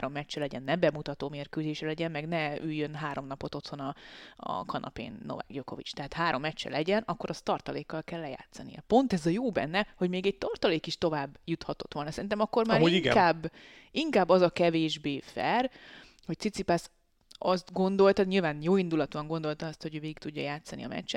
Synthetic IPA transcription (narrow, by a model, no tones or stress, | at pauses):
aːɾo̞mːɛt͡ʃːɛlɛɟɛnːɛbɛmut̪ɒt̪oːmeːrkøːzeːʃɛlɛɟɛmmɛɡnɛyjːønɦaːɾo̞mnɒpo̞t̪o̞t̪ho̞nɒɒ̰kɒnʔɒ̰pḛːnːo̰vɛ̰ɡjoko̞vḭt͡ʃt̪ɛɦaːt̪haːɾo̞mːɛt͡ʃːɛ̰lɛɟɛnɒkːo̞ɾɒst̪ɒrt̪ɒleːkːɒlkɛlːɛja̰ːt̪sɒnḭjɛ̰po̞nt̪ɛzɒjoːbɛ̰nːɛho̞ɟmeːɡɛc̚t̪ɒrt̪ɒleːkiʃt̪o̞vaːbːjut̪hɒt̪o̞t̪ʋo̞lsɛɾint̪ɛmɒkːo̞rmaːɾiiŋɡɛkaːbː | iŋkaːbːɒzɒkɛveːʒbeːfɛ̰r | ho̞c̚t̪sit̪sipas | ɒst̪ɡo̞nd̪o̞lt̪ɒɲilvaːnjoːind̪ulɒt̪oɒŋɡo̞nd̪o̞lt̪ɒɒst̪ho̞ɟøːveːɡikt̪uɟːɒjaːt̪sːɒnḭɒ̰mɛ̰t͡ʃːɛt̪